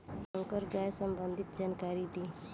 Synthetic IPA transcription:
səŋkəɾɡajsəmbənd̪ʱit̪̚d͡ʒankaɾid̪i

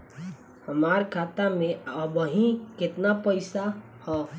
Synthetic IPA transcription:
həmaɾkʰat̪amẽəbəɦĩket̪napəɪsa | hɔ

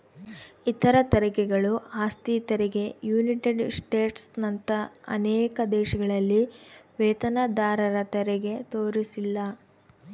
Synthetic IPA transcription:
it̪ɐɾɐt̪ɐɾɐkɛɡɐɭuaːst̪iːt̪ɐɾiɡe̞juːniʈeɖsʈeːʈsnɐnt̪ɐɐ̰nɛːkɐd̪ɛːʃɐɡɐɭɐlːiʋeːt̪ɐnɐd̪aːɾɐɾɐt̪ɛɾɛɡe̞t̪oːɾisilːɐ

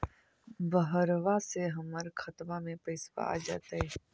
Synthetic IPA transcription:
bəɦəɾʋaseɦəməɾkʰət̪mamẽpəɪsʋa̰a̰ːd͡ʒa̰ːt̪ae

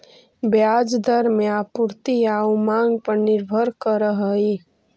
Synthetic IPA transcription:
bjad͡ʒd̪ʱəɾmeapuɾt̪iaumãŋɡ̚pəɾnɪɾbʱəɾkəɾəɦəi

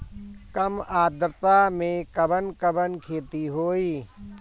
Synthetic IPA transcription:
kəmaːd̪ɾt̪amẽkəbənkəbənkʰeːt̪iɦoːiː

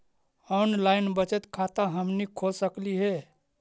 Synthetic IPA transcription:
ɔnlaɪnbət͡ʃət̪kʰat̪aɦəmnikʰosəkliɦe

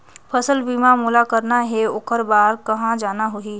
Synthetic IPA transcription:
pʰəsəlbiːmamuːlakəɾnaɦeokəɾbaːɾkɐɦãd͡ʒaːnaɦʊi

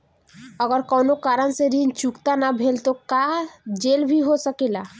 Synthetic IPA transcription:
əɡəɾkɔwnokaɾənseɾint͡ʃukt̪anabʱelt̪okad͡ʒelbʱiɦosəkila

